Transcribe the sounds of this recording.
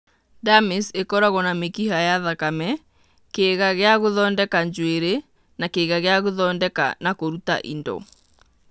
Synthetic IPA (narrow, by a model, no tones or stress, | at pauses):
damisekɔɾaɣɔnamekihajaðakamɛ | keɣaɣeaɣoðɔːndɛkaɲd͡ʑweɾe | nakeɣaɣeaɣoðɔːndɛka̰nakoɾuta̰ʔḭndɔ̰